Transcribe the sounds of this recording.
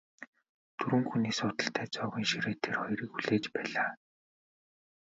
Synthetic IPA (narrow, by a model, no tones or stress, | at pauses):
t̪ʰɵɾɘ̆ŋxuniːsʊːt̪ə̆ɬt̪ʰæːt͡sɔːɣiːŋʃiɾeːt̪ʰerχɔjɾiːkxuɮeːt͡ɕpæːɮaː